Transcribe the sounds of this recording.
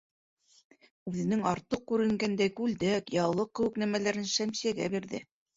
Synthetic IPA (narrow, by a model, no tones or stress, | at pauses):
ʉðɘ̆nɘŋɑɾt̪ɤq̚kʉɾɘ̆ŋɡænd̪æjkʉld̪ækjɑlˠːɤq̚ːɘ̆wɘ̆knæmælæɾɘnʃæmsijæɡæ̰biɾðɘ̰